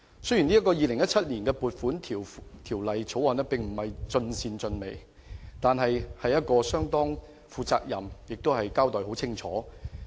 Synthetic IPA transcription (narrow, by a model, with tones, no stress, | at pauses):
sɵ˥ɥjyː˨˩niː˥ɐ˥tkɔː˧jiː˨lɪ˨˩ŋjɐ˥t̚t͡sʰɐ˥t̚niː˨˩nkɛː˧puː˨t̚fuː˨˥nt̪ʰiː˨˩wt̪ʰiː˨˩wlɐ˨jt͡sʰo˨˥wɔː˨˧nɛ˥pɪ˨˩ŋm̩˨˩hɐ˨jt͡sɵ˧nsiː˧nt͡sɵ˧nme˨˩j | t̪aː˨nɦɐ˨jhɐ˨jɐ˥t̚kɔː˧sœː˥ŋt̪ɔː˥ŋ | fuː˨˧t͡sa̰ː˧k̚jɐ̰˨mjɪ˨k̚t̪o˥whɐ˨jkaː˥wt̪ɔː˨jho˨˥wt͡sʰɪ˥ŋt͡ʃʰɔ̰ː˨˥